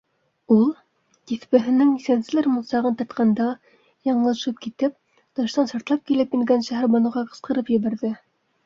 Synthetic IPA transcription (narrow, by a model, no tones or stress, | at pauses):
ulˠ | t̪iθpɘ̆ɦɘ̆nɘŋisænsɘ̆læɾmŭlˠsɑʁɤnt̪ɑ̆ɾt̪̚qɑnd̪ɑ | jɑɴlˠɑ̆ʃɤp̚kit̪ɘp̚ | t̪ɤ̆ʃt̪ɑnʃɑɾt̪lˠɑp̚kilɘpjɘ̆ŋɡænʃæɦæɾbɑnŭʁɑqɤ̆sqɤ̆ɾɤpjɘ̆βæɾðɘ